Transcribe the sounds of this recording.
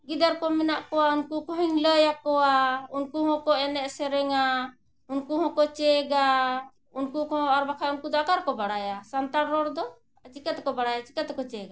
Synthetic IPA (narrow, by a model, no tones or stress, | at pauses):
ɡid̪aɾkɔmɛnaʔkɔwaunkukɔ̃ɦiɲləjakɔwaunkuɦɔ̃kɔʔɛnɛʔsɛɾɛŋa | unkuɦɔ̃kɔt͡ʃɛɡa | unkukɔ̃aɾbakʰajunkud̪ɔakaɾkɔbaɽajasant̪aɽɾɔɽd̪ɔ | ət͡ʃikat̪kɔbaɽajat͡ʃi̥kat̪kɔt͡ʃɛɡa